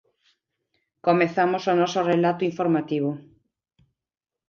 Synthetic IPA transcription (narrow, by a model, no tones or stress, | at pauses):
komeθamosonɔsorelat̪ʊiɱfoɾmat̪iβo